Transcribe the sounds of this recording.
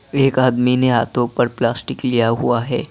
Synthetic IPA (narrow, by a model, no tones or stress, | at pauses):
eːkaːd̪mineɦaːt̪ʰõpɐɾplaːsʈɪklijaɦuaɦɛː